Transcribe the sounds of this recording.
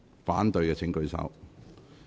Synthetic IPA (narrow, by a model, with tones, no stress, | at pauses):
faː˨˥nt̪ɵ˧ɥkɛː˧t͡sʰɪ˨˥ŋkɵ˨˧ɥsɐ̰˨˥w